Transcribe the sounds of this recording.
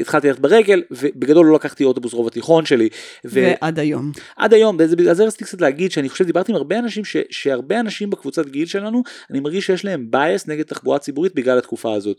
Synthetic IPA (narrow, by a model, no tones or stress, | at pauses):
it̪χalt̪ilaetbeʁe̞ɡe̞lvebeɡado̞lːo̞lakaχt̪io̞to̞busʁo̞vat̪iχo̞nʃe̞liveʔad̪ajomʔa̰d̪ajo̞mzebeazeʁasitikt͡sat̪̬leaɡid̪ʃeaniχoʃevd̪ibaʁt̪imaʁbeanaʃimʃeʃe̞aʁbeanaʃimbekvut͡sat̪ɡilʃe̞lanuanimaʁɡiʃejeʃlae̞mbajesne̞ɡed̚t̪aχbuat͡sibuʁit̪̚biɡlalat̪kufaːzo̞t̪